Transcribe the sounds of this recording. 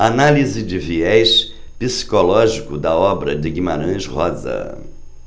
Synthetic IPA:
analizɪd͡ʒɪviɛʃ | pisi̥kolɔʒikʊd̪ɐɔbɾɐd͡ʒɪɡimaɾɐ̃ʃhɔzɐ̰

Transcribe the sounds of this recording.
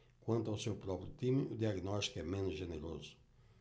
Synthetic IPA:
kwãnt̪awsewpɾɔpɾjʊt̪imud̪iaɡnɔʃt̪i̥kɛmẽnʒeneɾo̰zʊ̥

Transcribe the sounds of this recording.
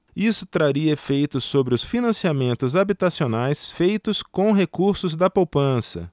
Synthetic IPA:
isʊ̥t̪ɾaɾiɐefejt̪ʊsobɾɪʊsfinɐ̃siamẽnt̪ʊzabit̪asionajsfejt̪ʊskõw̃ɦekuɾsʊzd̪ɐpowpɐ̃sɐ̰

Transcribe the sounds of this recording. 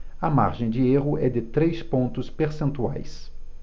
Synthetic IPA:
ɐma̰ɾʒẽj̃d͡ʒɪeɦʊʔɛd̪ɪt̪ɾejspõnt̪ʊspeɾsẽnt̪ua̰js

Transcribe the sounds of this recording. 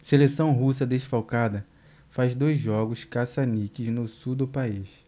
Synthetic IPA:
selesɐ̃w̃ɦus̬ɐd̪eʃfawkad̪ɐ | fazd̪ojzʒɔɡʊskasanikɪznʊsuwd̪ʊpais

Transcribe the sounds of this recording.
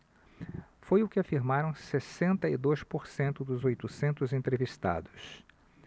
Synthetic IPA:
fojʊkɪafiɾmaɾɐ̃w̃sesẽnt̪ɐid̪ojspoɾsẽnt̪ʊd̪ʊzojt̪ʊsẽnt̪ʊzẽnt̪ɾevist̪a̰d̪ʊs

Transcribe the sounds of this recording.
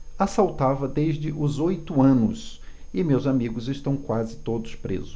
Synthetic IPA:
asawt̪avɐd̪eʒd͡ʒɪʔʊzojt̪ʊɐ̃nʊs | ɪmewzamiɡʊzɪʃt̪ɐ̃w̃kwazɪt̪od̪ʊspɾḛzʊ

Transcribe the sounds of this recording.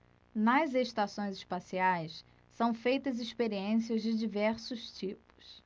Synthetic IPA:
nɐzeʃt̪asõj̃zɪʃpasiajsː | ɐ̃w̃fejt̪ɐzɪʃpeɾiẽsiɐzd͡ʒɪd͡ʒivɛɾsʊʃt͡ʃipʊ̥s

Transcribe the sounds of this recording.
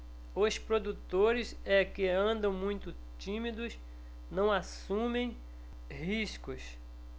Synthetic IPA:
ʊspɾod̪ut̪oɾɪzɛkɪɐ̃nd̪ɐ̃w̃mũj̃t̪ʊ | t͡ʃĩmid̪ʊs | nɐ̃w̃asũmẽj̃ | hiʃkʊs

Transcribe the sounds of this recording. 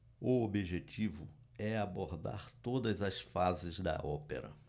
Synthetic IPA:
ʊobiʒet͡ʃivʊ | ɛaboɾd̪a̰ɾt̪od̪ɐzɐsfazɪzd̪ɐ̰ʔɔpḛɾɐ̰

